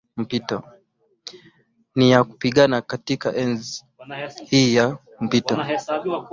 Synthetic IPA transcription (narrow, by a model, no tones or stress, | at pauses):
m̩pitɔ | nijaku̥piɠanakatikaʔɛnz | hiːja | m̩pitɔ